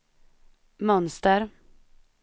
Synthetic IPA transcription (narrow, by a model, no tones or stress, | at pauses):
mœnst̪əɾ